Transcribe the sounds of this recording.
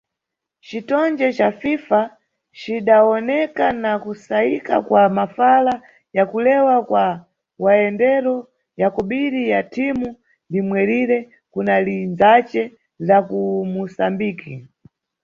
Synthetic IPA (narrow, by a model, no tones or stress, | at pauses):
t͡ʃitɔnd͡ʒɛt͡ʃafifa | t͡ʃiɗaɔnɛkanakusaika̰kwamafala | jakulɛwakwa | waɛndɛɾɔ | jakɔɓiɾijatʰimu | ndimwɛɾiɾɛ | kunalinzat͡ʃɛ | lakumusambiːki